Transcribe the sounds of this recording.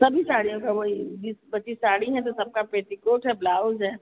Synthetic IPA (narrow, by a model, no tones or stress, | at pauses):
sɐbʱisaːɽijõkaboːid͡ʒisbɐt̪ːʃisaːɽiɦɛ̃t̪̬osɐb̚kapɾeːt̪ikoːʈɦɛblaːʊzɦɛː